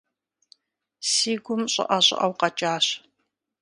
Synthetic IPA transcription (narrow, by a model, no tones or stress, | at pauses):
siːɡʷʊmɕʼɐ̰ʔɐɕʼɪ̰ʔɐwqɐt͡ʃʼaːɕ